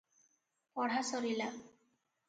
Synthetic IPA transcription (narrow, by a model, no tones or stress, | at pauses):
pɔɽ̤asɔɾila